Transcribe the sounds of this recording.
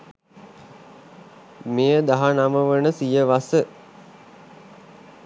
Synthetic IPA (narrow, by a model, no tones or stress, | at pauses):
mejəd̪aɦanaməʋənəsijəʋasə